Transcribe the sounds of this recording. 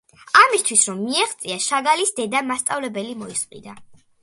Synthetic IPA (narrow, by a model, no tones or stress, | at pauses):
amist̪ʰwisɾɔmːiɛχt̪sʼiaʃaɡalisd̪ɛd̪amast̪sʼavlɛbɛlimɔisqʼḭd̪a